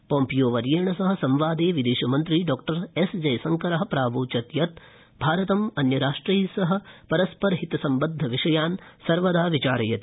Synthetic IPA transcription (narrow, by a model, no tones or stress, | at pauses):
poːmpijoːʋɐɾjeːɳɐsɐɦɐ̆sɐmʋaːd̪eːʋid̪eːʃɐmɐnt̪ɾiɖɔːk̚ʈɐɾesd͡ʒɐjsɐŋkɐɾɐɦɐ̆pɾaːʋuːt͡ʃɐt̪jɐt̪ | bʱaːɾɐt̪ɐmɐnjɐɾaːʂʈɾiːsɐɦɐ̆pɐɾɐspɐɾɐɦit̪ɐsɐmbɐd̪ʱːɐʋiʂɐjaːnsɐɾʋɐd̪aːʋit͡ʃaːɾɐjɐt̪i